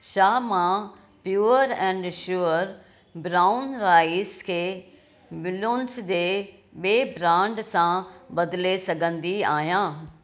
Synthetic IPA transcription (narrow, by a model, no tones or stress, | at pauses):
ʃaːmã | pjuːəɾɛ̃ːɳɖʃuːəɾ | bɾaːʊnɾaːɪskʰeː | ʋɪlonsd͡ʑeː | ɓeːbɾãːɳɖsãbɐd̪lesɐɡʱə̃nd̪iaːɦjãː